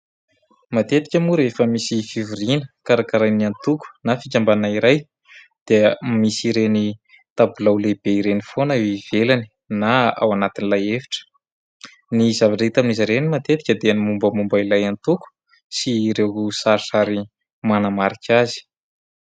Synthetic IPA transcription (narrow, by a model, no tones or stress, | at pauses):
mat̪et̪i̥kʲəmuɾefəmisifivurinəkaɾakaɾajniant̪uku̥nafikʲambanaiɾaj | d̪̥emisiɾeni | t̪abulawleb̥eiɾenifonəiv̥elani̥ | naa̰wanat̪inilajefi̥ʈ͡ʂə̥ | nizavaʈ͡ʂait̪aminizaɾenimat̪et̪i̥kʲəd̪eanimumbəmumbəilajant̪uku̥ | siːɾewusaɾsaɾi | manamaɾikʰʲazi̥